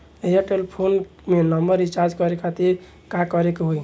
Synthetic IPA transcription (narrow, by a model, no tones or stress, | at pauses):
ejaʈelpʰon | menəmbəɾit͡ʃaɾd͡ʒkʌɾekʰat̪iɾ | kakɔɾekɦoj